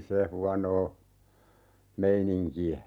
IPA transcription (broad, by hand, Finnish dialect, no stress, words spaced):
se huɑnoː meiniŋkiæ